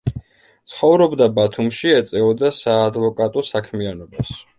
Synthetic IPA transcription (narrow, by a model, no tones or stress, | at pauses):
t̪sʰχɔvɾɔbd̪abat̪ʰumʃiɛt̪sʼɛɔd̪asaːd̪vɔkʼat̪ʼɔsakʰmianɔbas